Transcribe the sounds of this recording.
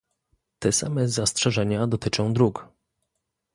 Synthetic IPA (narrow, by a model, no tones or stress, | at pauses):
t̪ɛsa̰mɛzastʂɛʐɛɲad̪ɔt̪ɘt͡ʂɔ̃w̃d̪ɾuk